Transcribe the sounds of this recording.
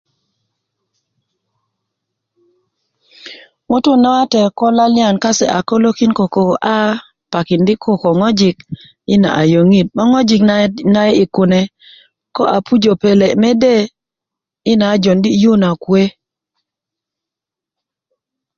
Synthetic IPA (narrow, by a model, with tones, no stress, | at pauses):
ŋʊ˦tʊ˦na˦a˦tɛ˨kɔ˦la˦lɪ˦a˨nka˦sɛ˨ʔa˨ko˦lo˦ki˦nko˨ko˨ʔa˦ | pa˨kɪ˨ndɪ˦kʰo˦kɔ˨ŋɔ˦d͡ʒɪ˨k̚ | ɪ˦na̰˨ʔa˨jo˨ŋi˦˨t̚ma˦ŋɔ˦d͡ʒi˨kna˦ɛ˦ɪ˨kʊ˨nɛ˨ | kɔ˦ʔa˨pu˦d͡ʒo˨pe˨le˨mɛ˦de˦˨ | ɪ˦na˨˦d͡ʒo˨ndi˦ju˦na˨kwe˦